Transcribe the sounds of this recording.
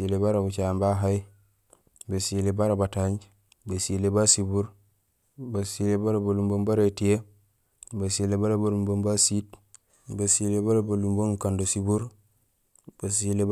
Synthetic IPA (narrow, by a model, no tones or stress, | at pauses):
ilebaɾabut͡ʃambaɦaj | basilebaɾabataɲ | basilebasibuɾ | basilebaɾabalumbombaɾetije | basilebaɾabalumbombasit | basilebaɾabalumboŋkandosibuɾ | b̥asile